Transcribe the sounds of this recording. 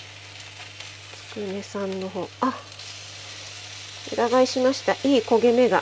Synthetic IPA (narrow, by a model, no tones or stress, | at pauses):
t͡sɨ̥kɯ̟me̞sãnːo̞ɦo̞ːa | ɯ̟̰ɾaɡaiɕimaɕi̥t̪aʔiːko̞ɡe̞me̞ɡa̰